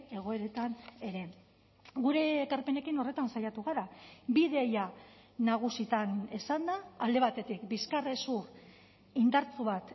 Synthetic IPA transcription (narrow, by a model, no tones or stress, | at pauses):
e̞ɣ̞o̞e̞ɾe̞t̪ane̞ɾe̞ | ɡuɾe̞ːkaɾpe̞ne̞kino̞re̞t̪ansajat̪uɣ̞aɾabiðeja | nːaɣ̞usit̪anesand̪aːld̪e̞β̞at̪e̞t̪ikbiskare̞sur | ind̪aɾt͡suβat̪